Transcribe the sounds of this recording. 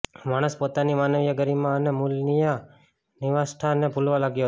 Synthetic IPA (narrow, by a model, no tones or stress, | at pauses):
maɽ̃əspot̪animanəʋjəɡəɾimãənemulnija | nɪʋasʈʰanebʱulʋãlaɡjo